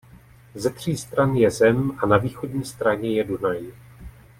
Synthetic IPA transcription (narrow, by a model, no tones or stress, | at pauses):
zɛt̪r̝̥iːst̪ɾanjɛzɛmʔanaviːxo̞dɲiːst̪ɾaɲɛjɛdunaj